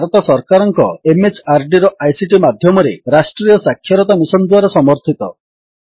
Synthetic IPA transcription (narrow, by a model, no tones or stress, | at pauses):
aɾɔt̪asɔɾkaɾɔŋkɔemet͡ʃaɾɖiɾɔʔajsiʈimad̪ʱjɔmɔɾeɾasʈɾijɔsakʰːjɔɾɔt̪amisɔnd̪waɾɔsɔmɔɾt̪ʰit̪ɔ